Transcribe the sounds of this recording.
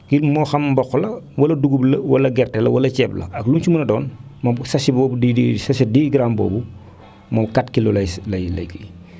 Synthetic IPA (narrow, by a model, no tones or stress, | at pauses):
kilmɔːxɐmbɔxɔlɐwɐlɐduɡublɐwɐlɐɡɛrtɛlɐ̰wɐlɐt͡ʃɛːplɐ̰ɐklunt͡ʃumunɐdɔːnmɐsɐsibɔbudidisɐʃidiːɡɾaːmbɔ̰ːbu | mɐkatkilɔlɐjlɐjlɐ̰jkḭ